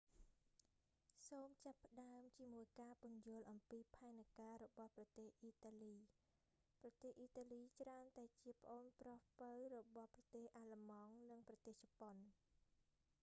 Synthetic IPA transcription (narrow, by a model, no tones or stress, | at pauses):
soːmt͡ɕapːə̆ɗaəmt͡ɕiəmuəjkaːpuənjʊəlʔɑmpiːpʰaɛnakaːɾɔɓɑhprɑt̪eːhʔiːt̪aːliː | prɑt̪eːhʔiːt̪aːliːt͡ɕraənt̪aɛt͡ɕiəpə̆ʔoːnprɑhpəwrɔɓɑhprɑt̪eːhʔaːlamɑŋnɨŋprɑt̪eːht͡ɕɔpon